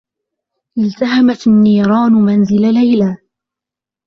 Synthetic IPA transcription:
ʔɪlt̪aɦamat̪anːiːɾˤɑːnʊmanzɪlalajlaː

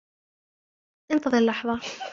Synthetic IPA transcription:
ʔɪnt̪ɑðˤɨɾlːɑħðˤɑ

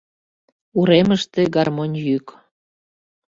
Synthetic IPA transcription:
uɾeməʃt̪eɡɑrmonʲjyk

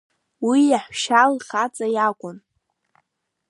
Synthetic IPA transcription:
wijaħʃalχat͡sʼajakʷʼʊn

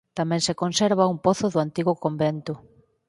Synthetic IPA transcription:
t̪amɛ̃ŋsekonseɾβaumpoθʊðʊant̪iɣʊkombent̪ʊ

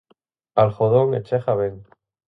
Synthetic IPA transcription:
alxoðoŋet͡ʃexaβeŋ

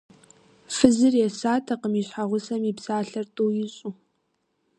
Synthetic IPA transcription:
fɨzɨrjɛsaːtʰɐqəmiɕħaʁʷʊsɐmipsaːɬɐrtʼuːjɪɕʼu

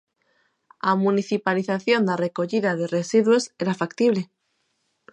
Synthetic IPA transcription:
amuniθipaliθaθjo̞nd̪are̞ko̞ʎiðað̞e̞re̞siðweseɾafakt̪iβ̞le̞

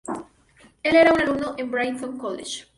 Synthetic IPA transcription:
eleɾaunalumnoʔẽmbɾajnt̪õŋkolḛʃ

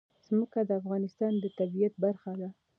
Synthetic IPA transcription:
z̥məkad̪əafɣɑnɪst̪ɑnd̪ət̪abijat̪̚baɾxad̪a

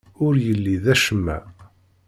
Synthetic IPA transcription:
ʊɾjəlːiðæʃəmːæ̰

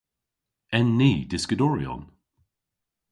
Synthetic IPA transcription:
ɛnːiːd̥ɪskədɔɹiɔ̰n

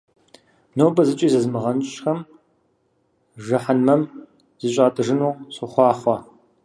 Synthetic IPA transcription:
nowbɐzɨt͡ʃʼiːzɐzmɨʁɐnɕʼxɐm | ʒɐħanmɐm | z̥ɨɕʼaːtʰɨʐɨnuːɕɨχʷɑːχʷɐ

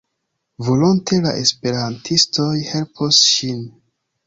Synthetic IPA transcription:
vo̞lontʰe̞la̰ʔe̞spe̞ɾantʰisto̞jhe̞lpʰosʃin

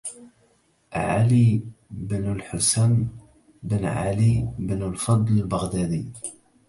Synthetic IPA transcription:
ʕa̰libnlħʊsæn | bənʕa̰libnlfɑd̪ˤləlbəɣd̪æd̪i

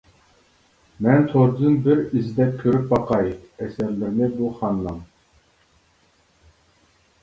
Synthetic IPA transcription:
mɛnt̪ʰoɾd̪ɨnbɪɾizd̪ɛp̚kʲʰøɾyp̚bɑqɑjɛsɛɾlɪɾnɪbuχɑnlˠɑm

